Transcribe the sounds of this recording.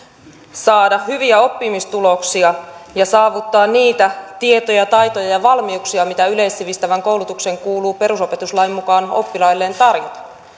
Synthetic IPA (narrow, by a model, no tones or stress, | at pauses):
sɑːdɑhhyʋiæo̞pːimist̪ulo̞ksiɑjɑsɑːʋut̪ːɑːnniːt̪æt̪ie̞t̪o̞jɑt̪ɑjt̪o̞jɑjɑʋɑlmiuksiɑmit̪æyle̞jsːiʋist̪æʋæŋko̞wlut̪ukse̞ŋkuːluːpe̞ɾuso̞pe̞t̪uslɑimːukɑːno̞̰pːilɑjlːe̞ːnt̪ɑrjot̪ɑ̥